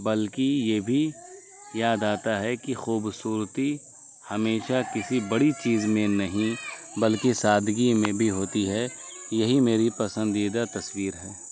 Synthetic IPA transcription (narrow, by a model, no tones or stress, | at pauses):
bɐlkijeːbʱi | jaːd̪aːt̪aɦɛkixuːbsuːɾt̪i | hɐmeːʃakɪsibɐɽit͡ʃiːzmẽnɐɦĩbɐlkisaːd̪ʱɡimẽbʱiɦoːt̪iɦɛjɐɦimeːɾipɐsə̃nd̪iːd̪at̪ɐswiːɾɦɛː